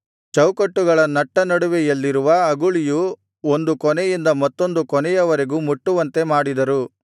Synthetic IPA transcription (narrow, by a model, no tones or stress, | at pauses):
t͡ʃɐwkɐʈːuɡɐɭɐnɐʈːɐnɐɽuʋɛjɐlːiɾuʋɐɐɡuɭiju | ond̪ukɔnɛjind̪ɐmɐt̪ːo̞nd̪ukɔnɛjɐʋɐɾe̞ɡuːmuʈːuʋɐnt̪e̞maːɽid̪ɐɾu